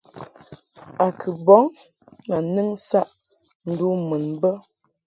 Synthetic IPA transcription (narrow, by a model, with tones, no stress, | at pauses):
a˨kʰɨ˨bɔ˨˦ŋ | na˨nɨ˦ŋsa˦ʔ | n̩˨du˦mɨ˨nbə˦